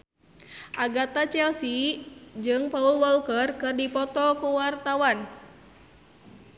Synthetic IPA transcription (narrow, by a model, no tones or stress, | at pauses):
ʔaɡat̪at͡ʃɛlsid͡ʒɨŋpaulwɔlkərkɨrdipɔt̪ɔkuwart̪awan